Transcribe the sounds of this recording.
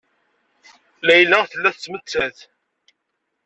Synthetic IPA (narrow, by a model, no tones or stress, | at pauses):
læjlːæθəlːæθt͡sːmət͡sːæθ